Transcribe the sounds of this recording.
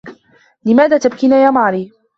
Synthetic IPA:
lɪmaːðaːt̪abkinaːjaːmaʕɾiː

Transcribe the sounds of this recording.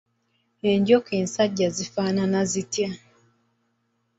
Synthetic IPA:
hɛɲɟɔkɛnsaɟazifananazitja

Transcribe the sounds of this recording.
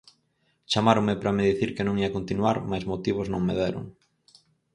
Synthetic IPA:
t͡ʃamaɾoŋmɪpɾameðiθiɾkɪnõŋiɐkont̪inwaɾmajzmot̪iβ̞ʊznõŋmeðeɾʊ̰ŋ

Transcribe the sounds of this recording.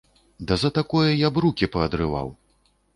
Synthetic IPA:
d̪ɐzɐt̪akɔjɐjabɾukʲipɐɐd̪ɾɨva̰w

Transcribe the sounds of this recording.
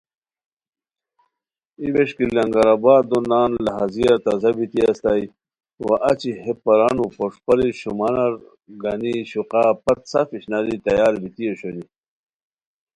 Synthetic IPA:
ibeʂkilɐŋɡaɾabaːd̪onaːnlɐɦazijɐɾt̪azɐbit̪iɐst̪ai | wa̰ʔɐt͡ɕihepːɐɾanupoʂpɐɾiɕumanɐɾ | ɡɐniɕuqɑːpɐt̪̚safiɕnaɾit̪ɐjaːɾbit̪ijoɕoni

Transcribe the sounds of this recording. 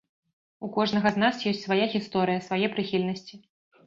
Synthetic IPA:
ukɔʐnɐɣɐznasjɔsʲtʲt͡sʲsvajaɣʲist̪ɔɾɨjɐsvajɛpɾɨxʲilʲnɐsʲt͡sʲi

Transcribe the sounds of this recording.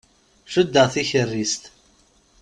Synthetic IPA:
ʃəd̪ːəʁθiçərːist̪

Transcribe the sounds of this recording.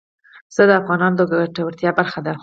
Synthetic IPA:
z̥əd̪əafɣɑnɑnod̪əɡaɡaʈawəɾt̪jɑbaɾxad̪a

